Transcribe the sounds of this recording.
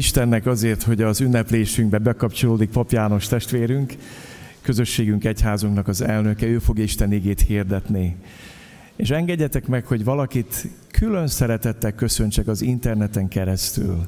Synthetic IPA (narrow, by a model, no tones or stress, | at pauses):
iʃt̪ɛnːɛkɒzeːrt̪ho̞ɟɒzynːɛpleːʃyŋɡbɛbɛkɒpt͡ʃo̞loːd̪ik̚pɒpjaːno̞ʃt̪ɛʃt̪ʋeːɾyŋk | kːø̞zø̞ʃːeːɡyŋkɛchaːzuŋknɒkɒzɛlnøkɛøːfo̞ɡjɒiʃt̪ɛniɡeːt̪hird̪ɛt̪ni | eːʃɛŋɡɛɟːɛt̪ɛkmɛkho̞ɟʋɒlɒkit̪ | kʰylø̞nsɛɾɛt̪ɛt̪ːɛkkø̞sø̞ɲt͡ʃɛkɒzint̪ɛrnɛt̪ɛŋkɛɾɛst̪y̰l